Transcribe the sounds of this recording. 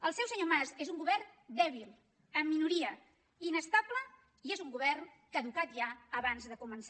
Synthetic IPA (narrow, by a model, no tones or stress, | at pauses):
əlˠsɛwsəɲomazezuŋɡuβɛrnd̪ɛβilˠ | əmːinuɾiə | inəst̪ablə | iezuŋɡuβɛrn | kəðukat̪ʒaəβanzðəkumənsa